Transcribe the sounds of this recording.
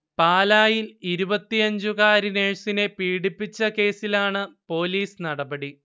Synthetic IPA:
paːlaːjiliɾubɐt̪ːiɐɲd͡ʑukaːɾineːɻsinepiːɽipːit͡ɕːɐke̞ːsilaːɳɨpo̞ːliːsnɐɽɐbɐɽi

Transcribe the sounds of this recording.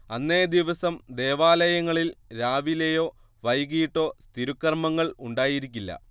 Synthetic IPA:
ɐnːe̞ːd̪iʋɐsɐmd̪e̞ːʋaːlɐjɐŋːɐɭilɾaːʋilejo̞ː | ʋɐjɣijʈːo̞ːst̪ʰiɾukːɐrmɐŋːɐɭuɳɖaːjiɾikʲːilːɐ̰

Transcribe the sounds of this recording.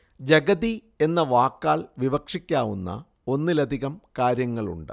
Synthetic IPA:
d͡ʑɐɡɐði | e̞nːɐʋaːkːaːɭʋiʋɐkʂikʲːaːʋunːɐ̰ | o̞nːɨlɐd̪ʱiɣɐmkaːɾjɐŋːɐɭṵɳɖɨ̰

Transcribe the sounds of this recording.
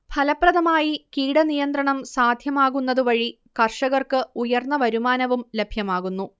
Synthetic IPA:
bʰʱɐlɐprɐðɐmaːjikiːɽɐnijɐnd̪ɾɐɳɐmsaːd̪ʱjɐmaːɣunːɐðuʋɐɻi | kɐrʂɐɣɐrkɨujɐrnːɐʋɐɾumaːnɐʋumle̞bʱjɐmaːɣunːu

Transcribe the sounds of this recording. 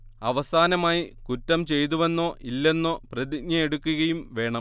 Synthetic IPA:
ɐʋɐsaːnɐmaːjikutːɐmt͡ɕe̞jt̪̬uʋe̞nːo̞ːʔilːe̞nːo̞ːprɐðikɲjɐeɽukːuɣɐjumʋe̞ːɳɐm

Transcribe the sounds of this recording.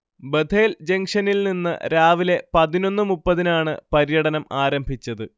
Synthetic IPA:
bed̪ʱʰe̞ːld͡ʑeŋʂɐnilninːɨ̰ɾaːʋile̞pɐðino̞nːɨmupːɐðinaːɳɨpɐɾijɐɽɐnɐmaːɾɐmbʱit͡ɕːɐðɨ

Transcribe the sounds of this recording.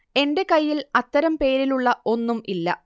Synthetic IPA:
e̞nde̞kɐjːilɐt̪ːɐɾɐmpe̞ːɾiluɭːɐo̞nːumʔilːɐ̰

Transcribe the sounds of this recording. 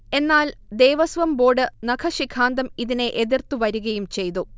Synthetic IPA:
e̞nːaːld̪e̞ːʋɐsʋɐmbo̞ːɖɨnɐkʰɐɕikʰaːnd̪ɐmiðine̞ʔeðirt̪uʋɐɾuɣɐjumt͡ɕe̞jt̪u

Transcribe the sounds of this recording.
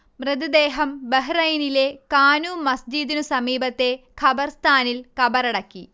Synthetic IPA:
mrɨd̪id̪eːɦɐmbɐɦrɐjnile̞kaːnuːmɐsd͡ʑid̪inusɐmiːbɐt̪ːe̞kʰɐbɐrst̪ʰaːnilkɐbɐɾɐɽɐkːi

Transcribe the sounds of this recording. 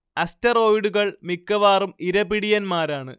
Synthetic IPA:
ɐstɐro̞ːjɽuɣɐɭmikːɐʋaːrumiɾɐbiɽijɐnmaːɾaːɳɨ̰

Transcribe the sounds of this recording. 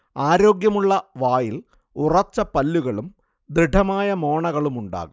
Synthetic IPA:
aːɾo̞ːɡjɐmuɭːɐʋaːjil | urɐt͡ɕːɐpɐlːuɣɐɭum | d̪ɾiɖʱɐmaːjɐmo̞ːɳɐɣɐɭumuɳɖa̰ːɣum

